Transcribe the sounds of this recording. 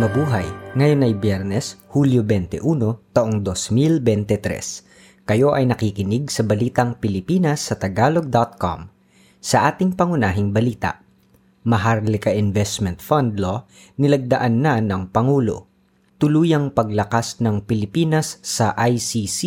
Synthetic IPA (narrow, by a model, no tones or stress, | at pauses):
nɐbuːɦɐjŋɐjonɐjbjɛɾnɛshuljobɛnt̪ɛ̰ʔuːno̞t̪ɐʔoŋd̪osmilbɛnt̪ɛt̪ɾɛ̰s | kɐjo̞ʔɐjnɐkikɪnɪɡ̚sɐbɐliːt̪ɐŋpɪlɪpiːnɐsːɐt̪ɐɡaːlo̞ɡ̚d̪at̪̚ko̰m | sɐʔaːt̪ɪŋpɐŋʊnaːɦɪŋbɐliːt̪ɐ̰ʔ | mɐɦaɾlɪkɐʔɪnvɛst̪mɛnt̪fɐnd̪lo | nɪlɐɡ̚d̪ɐʔanːanɐŋpɐŋuːlo̞̰ | t̪ʊluːjɐŋpɐɡ̚lɐkasnɐŋpɪlɪpiːnɐsːɐʔajsisi